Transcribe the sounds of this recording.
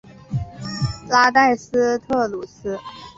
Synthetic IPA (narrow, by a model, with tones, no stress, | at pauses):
la˥t̪a˥˩ɪsɹ̩˥t̪ʰɤ˥˩lu˨˩sɹ̩˥